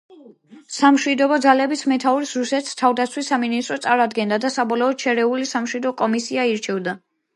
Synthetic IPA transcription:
samʃwid̪ɔbɔd̪zalɛbismɛt̪ʰauɾisɾusɛt̪ʰi̥st̪ʰavd̪at̪sʰwisːaminist̪ʼɾɔt̪sʼaɾad̪ɡɛnd̪ad̪asabɔlɔɔd̪̥̚ʃʰɛɾɛulisamʃwid̪ɔkʼɔmisiaiɾt͡ʃʰɛvd̪a

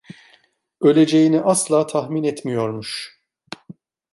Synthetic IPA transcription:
ø̞lʲe̞d͡ʒe̞jiniʔaslˠaːt̪ʰaxminɛt̪mijo̞ɾmuʃ

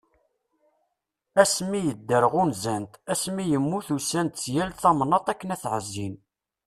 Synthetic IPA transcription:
æsmijəd̪ːəɾəʁunzænt̪æsmijəmːuθusænt̪sjælθɑmnːɑt̪ˤækːənæθʕəzːin

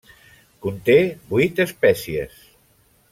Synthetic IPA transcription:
kunt̪ebujt̪espɛsiḛs

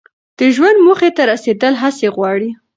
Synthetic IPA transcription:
d̪̥əʒwand̪muxet̪aɾased̪əlɦaseɣwɑɽi

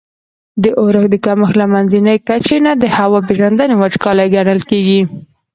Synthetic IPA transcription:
d̪əʔoɾəxd̪əkaməxlamanzinəjkat͡ʃenad̪əhawɑp̬eʒand̪anewat͡ʃkɑlajɡanəlkeɡi

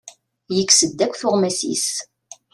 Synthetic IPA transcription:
jəkːsəd̪ːækʷːθʊʁmæsḭs

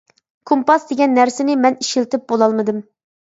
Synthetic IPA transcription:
kʰompɑsd̪eɡʲɛnːæɾsɪnɪmɛniʃɪlt̪ɪp̚bolˠɑlˠmɨd̪ɨm

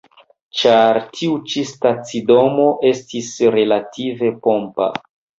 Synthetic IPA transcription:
t͡ʃaɾtʰiut͡ʃistat͡sido̞mo̞ʔe̞stisɾe̞latʰive̞po̞mpa̰

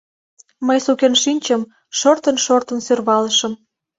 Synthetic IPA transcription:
məjsukenʃinʲt͡ɕəm | ʃort̪ənʃort̪ə̆nsørβɑlə̆ʃə̆m

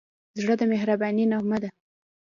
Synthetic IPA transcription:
zɽəd̪əmeɦɾabɑninamad̪a

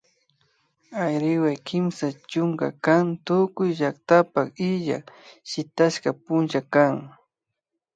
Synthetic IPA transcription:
ajɾɪwajkʰɪmsat͡ʃʊŋka̰kaŋt̪ʊkʊjʒak̚t̪apakɪʎa̰ʃɪt̪aʃkapʊnt͡ʃakaŋ

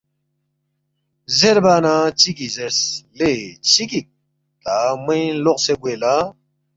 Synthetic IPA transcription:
zeɾbaːnat͡ɕikizeɾslet͡ɕikik̚ | t̪amĩloqseɡwela

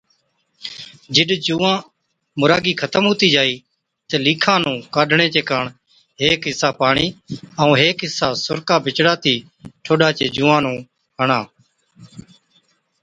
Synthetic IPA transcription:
d͡ʒɪɗd͡ʒũːãː | mʊɾaːɡiːkʰət̪əmɦuːt̪iːd͡ʒaːiː | t̪eːliːkʰãːnũːkaːɖʱɳẽːt͡ʃeːkaːɳ | ɦeːkɦɪsaːpaːɳiːəũːɦeːkɦɪsaːsʊɾkaːbʱɪt͡ʃɽaːt̪ʰiː | ʈʰoːɗaːt͡ʃeːd͡ʒũːãːnũː | ɦəɳãː

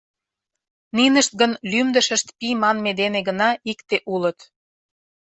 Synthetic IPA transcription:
ninəʃt̪̚ɡənlymd̪ə̆ʃə̆ʃt̪pimɑnmed̪eneɡənɑikt̪eʔulət̪

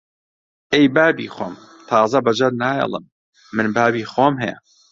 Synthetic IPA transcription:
ejbaːbiːxo̰ːm | t̪ʰɑːzɐbɐd͡ʒɐɾnaːjɛ̰lˠɨ̰mː | ɨnbaːbiːxoːmɦɛjɛ̰

